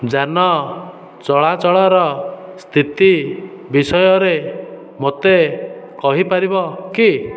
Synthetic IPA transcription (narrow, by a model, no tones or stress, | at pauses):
d͡ʒanɔ | t͡ʃɔɭat͡ʃɔɭɔɾɔst̪ʰit̪i | bisɔjɔɾe | mot̪e | kɔɦipaɾibɔki